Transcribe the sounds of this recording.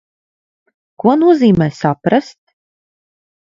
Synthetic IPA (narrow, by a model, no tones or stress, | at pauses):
kuɔnuɔziːmɛːsapɾast̪̚